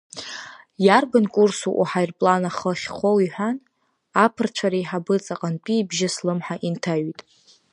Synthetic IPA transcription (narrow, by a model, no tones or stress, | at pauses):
jarbɨnkʼursuʔṵħajrpʼlanaχəχʲχʷowiħʷᶣan | apʰɨrt͡ʃʷʰaɾaiħabɨt͡sʼaqʼanpʼiːbʒɪslɨmħaʔintʰaɥitʼ